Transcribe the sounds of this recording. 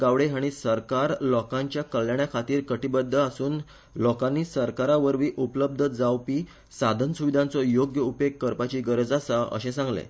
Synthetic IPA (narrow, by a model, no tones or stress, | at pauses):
ɡaʋɽeɦaɽ̃isəɾkaɾlɔkãɲt͡ɕjakəljaɳjakʰat̪iːɾkəʈibəd̪ʱːəasuːn | lɔkanːiːsəɾkaɾaʋəɾʋiːʔupləb̚d̪ʱəd͡zawpiː | sad̪ʱənsuʋid̪ʱãnt͡sɔjoɡjəupek̚ːəɾpat͡ɕiːɡəɾəd͡zasaə̰ɕẽsãŋɡlḛ